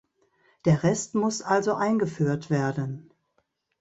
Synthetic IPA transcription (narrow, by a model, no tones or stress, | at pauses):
d̥eːɐʁɛstmʊsʔalzoʔaɪnɡəfyːɐtv̥eːɐdən